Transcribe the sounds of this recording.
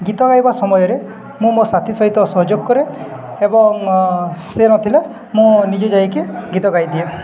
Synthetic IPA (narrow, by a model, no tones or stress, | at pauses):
ɡit̪ɔɡajbasɔmɔjɔɾe | mũmosat̪ʰisɔɦit̪ɔsɔɦɔd͡ʒoɡkːɔɾe | ebɔŋ | senɔt̪ʰile | mũnid͡ʒɔd͡ʒajkeɡit̪ɔɡajd̪ie